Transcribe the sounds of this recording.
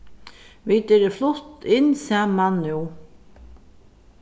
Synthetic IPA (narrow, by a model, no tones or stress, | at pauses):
ʋit̪ɛɾɪflʊht̪ɪnsæːmːanːuw